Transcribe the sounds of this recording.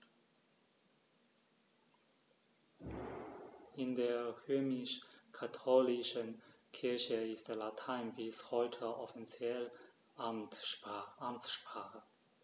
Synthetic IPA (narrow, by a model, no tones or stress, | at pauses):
ʔɪndeːɐʁøːmɪʃkʰatʰoːlɪʃən | kʰɪɐçəɪstd̥eːɐlatʰaɪnbɪshɔʏtʰəʔɔfit͡sjɛl | ʔamtːamt͡sʃpʁ̥aːχə